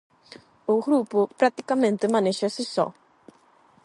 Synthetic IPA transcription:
ʊɣɾupʊpɾat̪i̥kamẽnt̪ɪmãneʃɐsɪsɔ̰

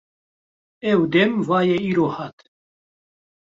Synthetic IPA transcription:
ɛwd̪ɛmvaːjɛiːɾoːhaːt̪

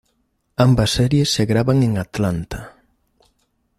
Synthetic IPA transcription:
ambɐsɛɾjesːeɣɾaβaŋeŋat̪lant̪a

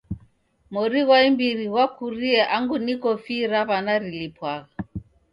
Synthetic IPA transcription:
mɔɾiɣwaimbiɾiɣwakuɾiɛʔaŋɡunikɔfiɾaβanaɾilipwaɣa

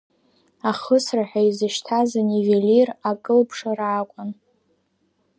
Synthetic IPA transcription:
aχəsraħʷᶣaizɨʃtʰazanivelʲirakʼɨlpʰʂaraːkʷʼʊn

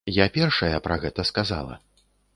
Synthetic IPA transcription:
japʲɛrʂɐjɐpɾɐɣɛt̪ɐskaza̰lˠɐ̰

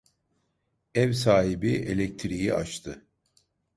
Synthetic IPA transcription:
ɛvsaːɦibie̞̰lʲɛc̚t̪ʰiɾijiʔa̰t͡ʃt̪ʰɯ

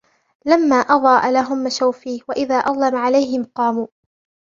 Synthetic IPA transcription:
lamːaːʔɑðˤɑːʔalaɦʊmːaʃawfiːwaʔɪðaːʔɑðˤlamaʕalajɦɪmqɑːmuː

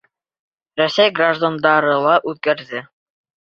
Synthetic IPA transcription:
rɵsʲæjɡraʒd̪and̪ɑɾɤlˠɑʔʉðkæɾðɘ

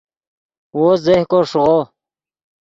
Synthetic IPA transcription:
wozehkoʂʊʁo

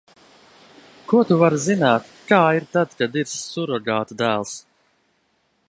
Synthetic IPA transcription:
kuɔt̪uvaɾzinaːt̪kaːiɾt̪ad̪kad̪iɾsːuɾɔɡaːt̪d̪æːlˠs

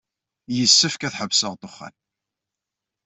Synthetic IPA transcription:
jəsːəfkæθħəvsəʁt̪ˤoχːæ̰n

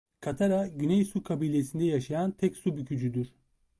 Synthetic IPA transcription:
kʰat̪ʰaɾaɟynɛjsukʰabiːlʲe̞sind̪ɛjaʃajant̪ʰɛcsubycʰyd͡ʒyd̪yɾ̥

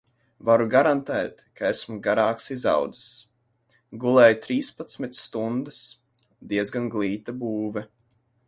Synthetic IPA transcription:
vaɾuɡaɾant̪ɛːt̪kaesmuɡaɾaːksiza̰wd̪ɨs | ɡulˠɛːjt̪ɾiːspat̪sʲmit̪st̪und̪ɨs | d̪iɛzɡanɡlˠiːt̪abuːvɛ

